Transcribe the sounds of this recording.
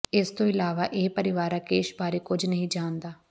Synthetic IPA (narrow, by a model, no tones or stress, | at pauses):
ɪst̪õːɪlaːʋaːʔeːpəɾɪʋaːɾãːkeːʃbaːɾeːkʊd͡ʒʱnəɦĩːd͡ʒaːnd̪aː